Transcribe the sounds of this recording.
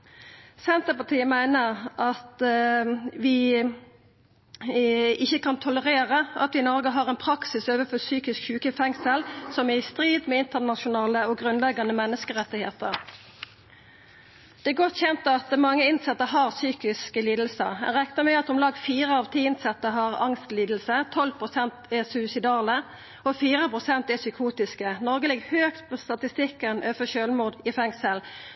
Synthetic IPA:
sɛnt̪əpɑt̪ʰiːəmæɪnəʁʔɑt̪ | ʋɪ | ɪçːəkɑnt̪ʰʊləʁeːʁəʔɑ̰t̪ʋɪnɔʁɡəɦɑʁɛɪnpʰɾɑksɪsøːʋəfɔsyːkɪskçʉːkəfɛŋsəlsɔmæst̪ʁiːd̪mɛɪnt̪ənɑʃʊnɑːləɔɡʁʉnlɛɡɑnəmɛnːəskəʁɛt̪ːɪhḛːt̪əʁ | d̪̥ɛæɡɔt̪ːçɛnt̪ɑt̪mɑŋːəɪnsɛt̪ːəɦɑʁsyːkɪskəliːd̪l̩sə̰ɛ̰nʁɛknəmɛɑt̪̚d̪ʊmlɑːɡfiːʁəɑʋt̪ʰiɪnsɛt̪ːəɦɑʁɑ̰ŋst̪liːd̪l̩sət̪ʰɔlpʰʁʊsɛnt̪ɛʁsʉsɪd̪ɑːlə | ɔfiːʁəpʁʊsɛnt̪ɛsʏkʰuːt̪ɪskənɔʁɡəlɪɡhøːkt̪pʰɔst̪ɑt̪ɪst̪ɪkːənʔøːfəʃøːlmuːʁd̪ɪfɛŋsəl

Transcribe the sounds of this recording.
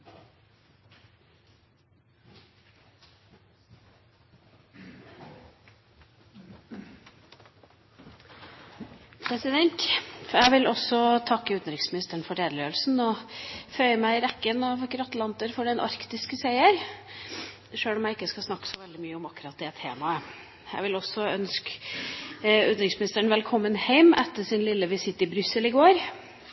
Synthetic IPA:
pʰɾɛsɪd̪ɛnt̪fæɪʋɪlʔɔsɔt̪ʰɑkːəʉːt̪n̩ɾɪksmɪnɪst̪əəɳfɔɾeːd̪əløːlsn̩ɔfœʏəmæɪɾɛkːənɑʋkɾɑt̪lɑnt̪əɾfɔɖɛnʔɑ̰ɾkt̪ɪskəseɪəɾ | ʂøːlɔmjæɪɪkːəskɑsnɑkːə̥sɔʋɛld̪ɪmyːəʊmɑkːʉɾɑt̪̚d̪ɛɛt̪ʰːḛːmɑə | jæ̰ɪʋɪlɔsːɔœnsk | ʉt̪ɾɪŋsmɪnɪst̪əɳʋɛlkʰɔmːənhæɪmʔɛt̪ːəʂɪnlɪlːəʋɪsɪt̪ːɪbɾʏsəlɪɡoːɾ

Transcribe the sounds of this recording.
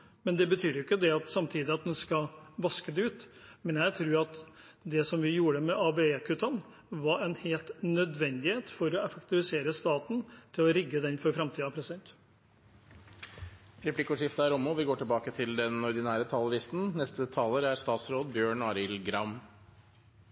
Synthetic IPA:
mɛnd̪ɛbət̪ʰyːɾjɪkːəd̪ɛɑt̪sɑmt̪ʰiːd̪ɪɑt̪̚d̪ɛnskɑʋɑskəd̪ɛʉːt̪mɛnjæɪt̪ʰɾʉːɾɑt̪ | d̪ɛsɔmʋɪjuːɾəmɛʔɑbeekʰʉt̪ʰɑn | ʋɑɾɛnheːlt̪nœd̪ʋɛnd̪ɪheːt̪fɔɾɔɛfəkt̪ɪʋɪseːɾəst̪ɑːt̪n̩t̪ʰɪlɔɾɪɡːəd̪ɛnfɔɾfɾɑmt̪ʰiːd̪ɑpʰɾɛsɪd̪ɛnt̪ | ɾɛpʰlɪkʊʂɪft̪əæɾɔmʊʋɪɡoːʈɪlbɑːkət̪ʰɪld̪ɛnɔɾɖ̪ɪnæːɾət̪ʰɑːlɾɪst̪n̩nɛst̪ət̪ʰɑːləɾæɾst̪ɑːt̪sɾoːd̪bjøːɳɑːɾɪlɡɾɑm

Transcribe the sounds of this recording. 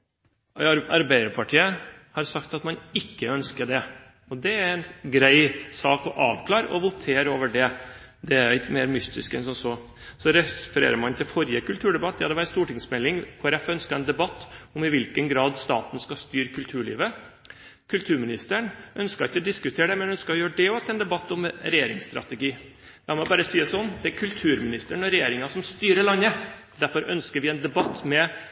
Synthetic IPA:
ɑɾbæɪd̪əɾpʰɑʈʰiːəhɑɾsɑkt̪ɑt̪mɑnɪkːəœnskəɖ̪ɛ | ɔd̪ɛæɾɛnɡɾæɪsɑːkɔʔɑːʋkʰlɑːɾɔʋʊt̪ʰeːɾoːʋəɖɛ | d̪ɛæɾɪt̪meːɾmʏst̪ɪskɛnsɔnsɔ | sɔɾɛfɾḛːɾəmɑnt̪ʰɪlfɔɾɪəkʉlt̪ʰʉːɖɛbɑt̪̚ːd̪ɛhɑd̪ɛʋæːɾəst̪uːʈɪŋsmɛlːɪŋkʰʊɾɛfœnskəɾɛnd̪ɛbɑt̪ːɔmɪʋɪlkənɡɾɑːd̪st̪ɑ̰ːt̪n̩skɑst̪yːɾkʰʉlt̪ʰʉːɭḭːʋə | kʰʉlt̪ʰʉːɾmɪnɪst̪əɳʔœnskɑɾɪçːəɔd̪ɪskʉt̪ʰeːɾəɖɛmɛnœnskəɾɔjøːəɖɛɔɑt̪ʰɛnd̪ɛbɑt̪ːɔmɾɛjeːɾɪ̰ŋsst̪ɾɑ̰t̪ɛɡiː | lɑːmɔbɑːɾəsiːəsɔnːd̪ɛækʰʉlt̪ʰʉːɾmɪnɪst̪əɳɔɾɛjeːɾɪŋɑsɔmst̪yːɾəɭɑnːə | d̪æɾfɔɾʔœnskəɾʋɪɛnd̪ɛbɑt̪ːmɛ

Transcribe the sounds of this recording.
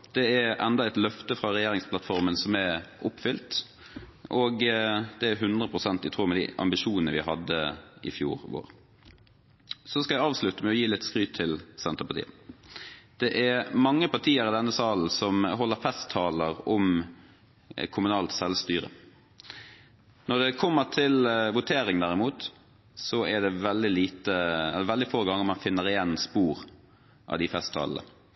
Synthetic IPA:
d̪̥ɛæʔɛnd̪ɑɛɪt̪lœft̪əfɾɑɾɛjeːɾɪŋspʰlɑt̪fɔɾmənsɔmæʔʊpːfʏlt̪ | ʔoːɡd̪̥ɛæɾɦʉnd̪ʁəpʰɾʁʊsɛnt̪ɪt̪ʰʁuːmɛd̪ḭːʔɑ̰mbɪʃuːnənəʋɪhɑd̪ːəɪ̰fjṵːʁʋo̰ːʁ | sɔskɑjæɪɑːʋslʉt̪əmɛɔjiːlɪt̪skʁyːtt̪ʰɪlsɛnt̪əpɑt̪ḭːə | d̪̥ɛʔæmɑŋːəpɑʈ̪ʰiːəɾɪd̪ɛnːəsɑːln̩sɔmɦɔlːəɾfɛst̪ʰːɑːləʁɔm | kʰʊmʉnɑːlt̪sɛlʋst̪yːɾə̰ | nɔd̪ɛkʰɔmːət̪ʰɪlʋʊt̪ʰeːɾɪŋd̪æʁɪmuːt̪ | sɔɛɖ̪ɛʋɛld̪ɪliːt̪əɛlːɛʋɛld̪ɪfoːɡɑŋːəɾmɑnfɪnːəʁɪjɛnːspuːɾ | ʔɑ̰ʋd̪ɪfɛst̪ʰːɑ̰ːln̩ə̰

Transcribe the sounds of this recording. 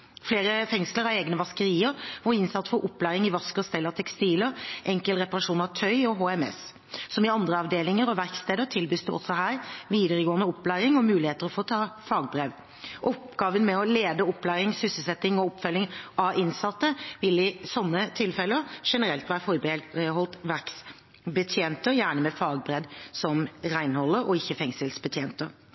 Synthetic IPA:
fleːɾəfɛŋsləɾɑʋeːɡnəʋɑskəɾiːəɾʋʊɾɪnsɑt̪ːfɔɾʔɔpːlæːɾɪŋɪʋɑskəɔst̪ɛlːɑt̪ʰɛkst̪iːləʔɛŋkəlɾɛpɑʁɑʂuːnɑʋt̪ʰœʏɔɦoːɛmɛ̰s | sɔmɪɑnd̪ɾəɑʋd̪eːlɪŋəɾɔʋæɾkst̪eːd̪əɾt̪ʰɪlbyːsd̪ɛʔɔ̰sɔɦæːɾʋiːd̪əɾəɡoːənəɔpːlæːɾɪŋɔmʉːlɪheːt̪əɾɔfoːt̪ʰɑːfɑːɡ̚bɾeːʋ | ʔɔpɡ̥ɑːʋənmɛɔleːd̪əɔpːlæːɾɪŋsʏsəlsɛt̪ːɪŋɔɔpfœlːɪŋʔɑʔɪnsɑt̪ːəʋɪlɪsɔnːət̪ʰɪlfɛləɾʂɛnəɾɛlt̪ʋæːɾəfɔɾbəhɔlt̪ʋæɾks | bət̪ʰjeːnt̪əɾjæːɳəmɛfɑːɡ̚bɾɛd̪sɔmɾæɪnhɔlːəɾɔɪçːəfɛŋsəlsbət̪ʰjeːnt̪əɾ

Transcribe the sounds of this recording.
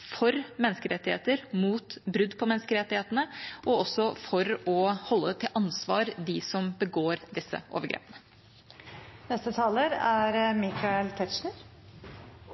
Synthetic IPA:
fɔɾmɛnskəɾɛt̪ːɪhḛːt̪əɾmuːt̪bɾʉd̪pʰɔmɛnskəɾɛt̪ːɪheːt̪ənəʔɔɔsːɔfɔɾɔhɔlːət̪ʰɪlʔɑnsʋɑːɾd̪ɪsɔmbəɡoːɾd̪ɪsːə̰ʔo̰ːʋəɾɡɾḛːpənə | nɛst̪ət̪ʰɑːləɾæɾmɪkʰɑɛlt̪ʰɛt̪ʃɳəɾ

